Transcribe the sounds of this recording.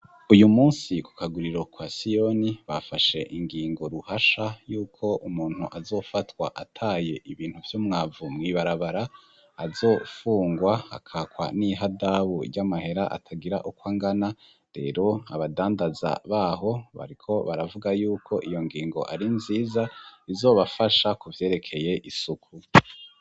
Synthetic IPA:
ujumuːnsiku̥kaɡuɾiɾo̞kwasijo̞niβafaʃe̞ʔiŋɡiːŋɡo̞ɾuhaʃajuːkʰo̞umuːnhuʔazo̞ːfatwa̰ʔatʰaːje̞ʔiβiːn̥huvjomŋaːvumŋiβaɾaβaɾaː | zo̞ːfuːŋɡwaa̰kʰaːkwa̰niɦadaβuɾɟamahe̞ɾaʔa̰tʰaɡiɾa̰ʔukwaːŋɡana | ɾe̞̰ːɾo̞aβadaːndaza̰βaːɦo̞βa̰ɾikʰo̞βaɾavuɡajuːkʰo̞ʔijo̞ŋɡiːŋɡo̞̰ʔaɾinziːzaizo̞ːβafaʃakuvje̞ːɾe̞kʰe̞je̞ʔisukʰu

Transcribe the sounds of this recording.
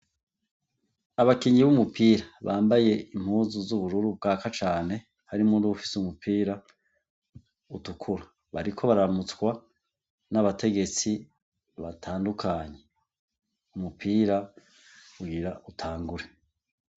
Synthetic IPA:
aβakiːɲɡiβumupʰiːɾaβaːmbaje̞im̥huːnzuzuβuɾuɾub̚ɡaːkat͡ʃaːne̞ | haɾimunduufi̥sumupʰiːɾa | utukʰuɾa | βaɾikʰo̞βaɾaamut͡skwa | naβatʰe̞ɡe̞t͡si | βatʰaːndukʰaːɲe̞ | umupʰiːɾa | uɡiɾaʔutʰaːŋɡuɾe̞

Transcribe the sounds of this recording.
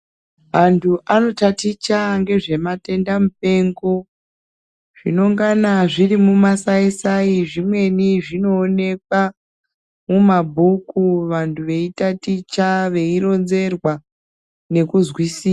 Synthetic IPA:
ʋantʰuʔano̞tatit͡ʃaŋɡe̞ʐe̞mate̞ndamup̚e̞ŋɡo̞ | ʐ̥ino̞ŋɡanaʐirimumasaisaiʐimwe̞niʐino̞ːne̞k̚wa | mumabʱukuʋantʰuʋe̞itatit͡ʃaʋe̞iɾo̞nze̞rwa | ne̞kuzwisiːa

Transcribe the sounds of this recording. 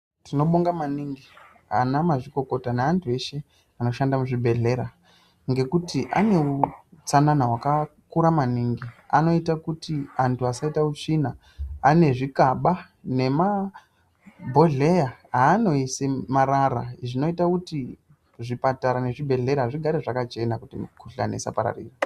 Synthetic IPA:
tino̞ɓoŋɡamaniŋɡi | a̰namaʐiko̞ko̞tanaantʰue̞ʃe̞ | ano̞ʃandamuʐibʱe̞ɮe̞ɾa | ŋɡe̞kutiʔa̰ne̞ut͡sananaɦwakakuɾamaniːŋɡia̰no̞itakutiantʰuasaitaut͡ʂinaː | ne̞ʐikaɓa | ne̞ma | bʱo̞ɮe̞jaɦaːno̞isemaɾaɾa̰ʐino̞itakuti | ʐipataɾane̞ʐibʱe̞ɮe̞ɾaʐiɡʱaɾeʐakat͡ʃe̞nakutḭmkuɬa̰nḛsa̰paɾa̰rḭːra

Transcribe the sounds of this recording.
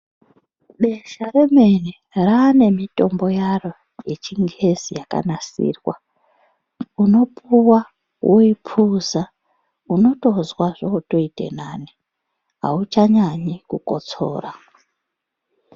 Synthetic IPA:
ɓe̞ʃaɾe̞me̞ne | raːne̞mitʼo̞mbo̞jaro̞ | je̞t͡ʃiŋɡe̞zijaka̰nasḭːrwa̰ | uno̞puwa | wʔoipʰuza | uno̞to̞zwaʐouto̞itʼe̞̰naːni | ɦa̰ut͡ʃaɲaɲikuko̞̰t͡so̞̰ːra

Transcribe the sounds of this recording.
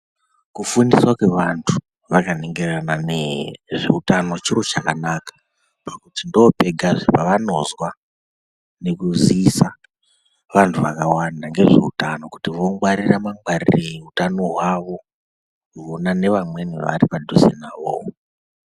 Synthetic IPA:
kufuniswakwe̞ʋantʰu̥ | ʋakaneŋɡe̞rananeʐe̞utano̞t͡ʃiro̞t͡ʃakanakḁ | pakutindo̞peɡʱaʐepaʋano̞zwa | ne̞kuziːsa | ʋantʰuʋa̰kawanaŋɡe̞ʐe̞̰utano̞kutiʋo̞ŋwaɾiramaŋɡwarireutano̞ɦwaʋo̞ | kuonane̞ʋamwe̞nḭʋa̰ɾipadʱosḛnaːʋo̰ː

